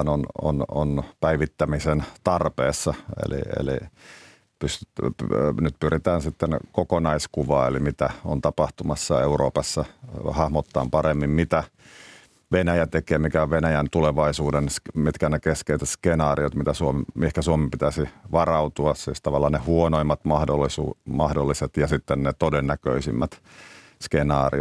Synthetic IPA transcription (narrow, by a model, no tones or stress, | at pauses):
nono̰no̰npæiʋit̪ːæmisent̪ɑrpeːsːɑḛlḭḛlḭ | pyst̪ | nyt̪pyrit̪æːnsit̪ːenkokonɑiskuʋɑ̰ːḛlimit̪æont̪ɑpɑht̪umɑsːɑeuro̰ːpɑsːɑhɑhmot̪ːɑ̰ːmpɑremːimmit̪æ | ʋenæjæt̪ekeːmikæoʋʋenæjænt̪uleʋɑisuːdensmit̪kænekeskeiset̪skenɑːriot̪mit̪æsuomehkæsuomimpit̪æsiʋɑrɑut̪uɑssḭst̪ɑʋɑlːɑnehuonoimːɑt̪mɑhdolːisumɑhdolːiset̪jɑsit̪ːennet̪odenːækø̰isimːæt̪ | skenɑːrḭo